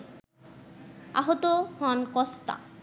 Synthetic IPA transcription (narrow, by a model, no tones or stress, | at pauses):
a̰ɦot̪ohɔnkɔst̪a̰